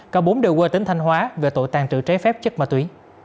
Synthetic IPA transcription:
kɔː˨˦ɓo˨˦nɗe˨˧˨wkwe˧t̪i˨˦ŋ̟t̪ʰa˧ŋ̟hwaː˨˦ve˨˩t̪o̰˧˨jt̪aː˨˩ŋt͡ɕɨ̰˧˨t͡ɕɛ˨˦fɛ˦˥p̚t͡ɕə˦˥k̚maː˨˩t̪wi˨˦

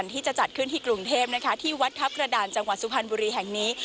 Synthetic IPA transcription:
nt̪ʰiː˥˩t͡ɕa˨˩t͡ɕa˨˩t̪̚kʰɯ˥˩nt̪ʰiː˥˩kɾu˨˩ŋt̪ʰeː˥˩p̚na˦˥kʰa˦˥t̪ʰiː˥˩wa˦˥t̪̚kʰa˦˥p̚kɾa˧daː˨˧˩nt͡ɕa˧ŋwa˨˩t̪̚su˧pʰa˧nbuː˧ɾiː˧ɦɛ˨˩ŋniː˦˥

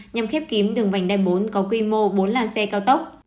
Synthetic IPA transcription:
ɲa˧mxɛ˦˥p̚ki˨˦əmɗɨ˨˩əŋva̰˧˩jŋ̟ɗaː˧˩jɓo˨˦nkɔ˨˦kwi˧mo˧ɓo˨˦nlaː˨˧˩nsɛ˧kaː˧wt̪ə˦˥wk͡p̚

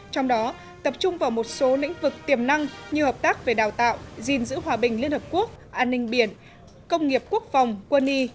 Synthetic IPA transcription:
t͡ɕɔ˧wŋ͡mɗɔ˨˦ | t̪ə˨˩p̚t͡ɕʊ˧ŋ͡mvaː˨˩wmo˨˩t̚so˨˦lḭ˧˥ŋ̟vɨ˨˩k̚t̪i˨˩əmna˧ŋɲɨ˧həː˨˩p̚t̪aː˦˥k̚ve˨˩ɗaː˨˩wt̪a̰ː˧˨wzi˨˩nzɨ̰˧˥ɦwaː˧˩ɓï˨˩ŋ̟li˧ənhəː˨˩p̚ku˦˥ək̚ʔaː˧nːï˧ŋ̟ɓi˧˩ən | kə˧wŋ͡mŋi˨˩əp̚ku˦˥ək̚fa˨˩wŋ͡mkwə˧ni˧

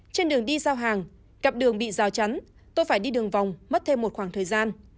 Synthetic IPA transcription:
t͡ɕe˧nɗɨ˨˩əŋɗi˧saː˧wɦaː˨˩ŋ | ɣa˨˩p̚ɗɨ˨˩əŋɓḭ˧˨zaː˨˩wt͡ɕa˨˦n | t̪o˧jfaː˧˩jɗi˧ɗɨ˨˩əŋva˨˩wŋ͡mmə˦˥t̚t̪ʰe˧mːo˨˩t̚xwaː˧˩ŋt̪ʰəː˨˩jzaː˧n

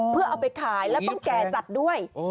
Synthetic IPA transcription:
pʰɯ˥˩ɐʔa˨˩wpa˧jk̪ʰaː˩˦jlɛː˦˥tt̪ɔ˥˩ŋkɛː˧˩t͡ɕa˨˩t̪̚du˥˩əj

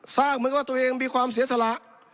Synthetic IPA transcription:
saː˥˩k̚m˧˥kwaː˥˩t̪u˧ʔeː˧ŋmiː˧kʰwaː˧ms̬i˩˦sa˧la˧˥ʔ

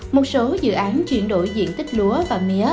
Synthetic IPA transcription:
mo˨˩t̚so˨˦zɨ̰˧˨ʔaː˨˦nt͡ɕwḭ˧˨ənɗo̰˧˨jzḭ˧˨ənt̪ï˦˥k̟̚lu˨˦əvaː˨˩mi˧˦ə˦

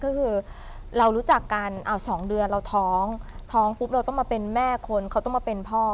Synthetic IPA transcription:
kɔː˥˩kʰɯː˧ | ɾa˧wɾuː˦˥t͡ɕa˨˩kːa˧nʔa˧˩wsɔː˩˦ŋdɯ˧ənɾa˧wt̪ʰɔː˦˥ŋt̪ʰɔː˦˥ŋpu˦˥p̚ɾa˧wt̪ɔ˥˩maː˧pe˧nmɛː˥˩kʰo˧nkʰa˦˥wt̪ɔ˥˩ŋmaː˧pe˧npʰɔː˥˩

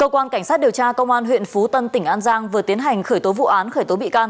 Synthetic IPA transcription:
kəː˧kwaː˧nka˧˩jŋ̟saː˦˥t̚ɗi˨˩əwt͡ɕaː˧kə˧wŋ͡mʔaː˧nɦwḭ˧˨ənfu˨˦t̪ə˧nt̪ï˧˩ŋʔaː˧nzaː˧ŋvɨ˨˩ət̪i˨˦ənɦa˨˩jŋ̟xəː˧˩jt̪o˨˦vṵ˧˨ʔaː˨˦nxəː˧˩jt̪o˨˦ɓḭ˧˨kaː˧n

